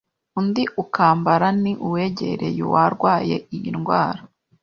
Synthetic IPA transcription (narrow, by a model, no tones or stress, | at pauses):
undiʔukaːmbaɾaniʔuweɟḛɾḛjṵwaɾɡwaːjḛʔijinɡwa̰ːɾa